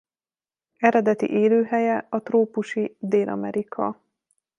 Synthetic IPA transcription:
ɛɾɛd̪ɛt̪ḭʔeːløːɦɛjɛɒt̪roːpuʃid̪eːlʔɒ̰mɛɾikʰɒ̰

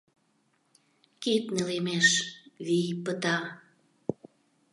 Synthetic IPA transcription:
kit̪̚nelemeʃβipət̪ɑ

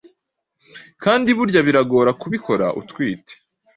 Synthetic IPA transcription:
kʰaːndiβuɾɟaβiɾaɡo̞ːɾakuβikʰo̞ɾa̰ʔṵtkwiːtʰe̥

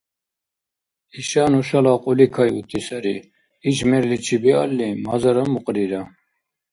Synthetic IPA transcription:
iʃaːnuʃalaqʼulikʰajut̪ʰʼisaɾi | iʃmɛɾlit͡ʃʰibia̰lːimazaɾamuqʼɾiɾa

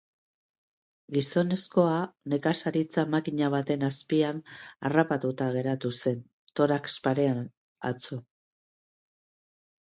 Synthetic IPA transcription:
ɡiso̞ne̞sko̞ane̞kasaɾit͡samakiɲaβ̞at̪e̞naspiana̰rapat̪ut̪aɣ̞e̞ɾat̪use̞n | t̪o̞ɾakspaɾe̞a | a̰t͡su

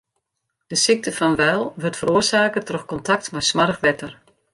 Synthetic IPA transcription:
d̥əsik̚təfɑnʋɛjlˠʋɵrtfəɾoːzaːkətrɔxkɔntɑk̚tmɛjsmarəxʋɛtər

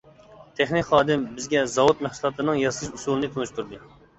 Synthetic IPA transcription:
t̪ʰeχnɪkʲχɑːd̪ɪmbɪzɡʲɛzɑwut̪̚mæχsulˠɑt̪ʰɨnɨŋjɑslˠɨʃusulˠɨnɨt̪ʰunɨʃt̪ʰuɾd̪ɨ

